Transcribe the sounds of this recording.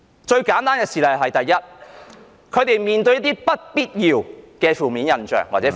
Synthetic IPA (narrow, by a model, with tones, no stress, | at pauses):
t͡ʃɵ˧ɥkaː˨˥nt̪aː˥nkɛː˧siː˨lɐ˨jɦɐ˨jt̪ɐ˨jːɐ˥t̚ | kʰɵ˨˧ɥt̪e˨jmiː˨˩nt̪ɵ˧ɥjɐ˥t̪iː˥pɐ˥t̚piː˥t̚jiː˨wkɛː˧fuː˨miː˨˥njɐ˨nt͡ʃœ̰ː˨ŋwaː˨˩t͡sɛ˨˧˥